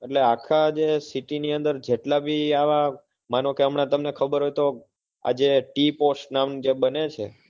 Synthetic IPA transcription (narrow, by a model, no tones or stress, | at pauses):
eʈleakʰad͡ʒesiʈiniənd̪əɾd͡ʒeʈlabʱiaʋa | manõkeəmɳat̪əmnekʰəbəɾɦojt̪o | a̰d͡ʒeʈiposʈnamd͡ʒebənet͡ʃʰe